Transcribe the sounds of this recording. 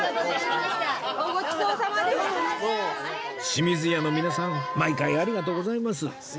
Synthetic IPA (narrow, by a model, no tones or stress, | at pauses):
ɡokisosaioː | ɕimʲizɨjanomʲinasãmaikaiaɾʲiɡat̪o̞ːɡo̞zaimas̬ɨ